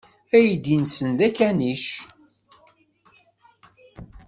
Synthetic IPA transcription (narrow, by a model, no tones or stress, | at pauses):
æjid̪insənd̪ækæniʃ